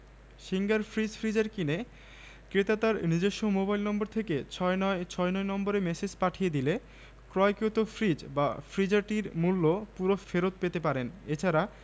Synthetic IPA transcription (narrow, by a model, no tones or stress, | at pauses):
ʃiŋɡaɾfɾid͡ʑfɾid͡ʑaɾkine | kɾet̪at̪aɾnid͡ʑeʃːomobajlnɔmboɾt̪ʰeket͡ɕʰɔnt͡ɕʰɔenɔenɔmboɾemesed͡ʑpaʈʰijed̪ile | kɾɔjkot̪ofʰɾid͡ʑba̰fɾid͡ʑaɾʈiɾmulːopuɾofeɾot̪̚pet̪epaɾenet͡ɕʰaɾa